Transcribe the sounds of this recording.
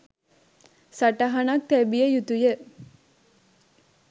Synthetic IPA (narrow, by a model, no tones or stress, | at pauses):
sɐʈɐɦɐnɐk̚t̪æbijejut̪uje